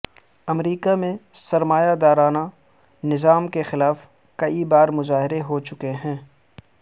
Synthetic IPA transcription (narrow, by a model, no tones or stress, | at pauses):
ɐmɾiːkamẽsɐɾmaːjad̪aːɾaːna | nɪzaːmkexɪlaːf | kɐibaːɾmʊzaːɦɪɾeɦot͡ʃʊkeɦɛ̃ː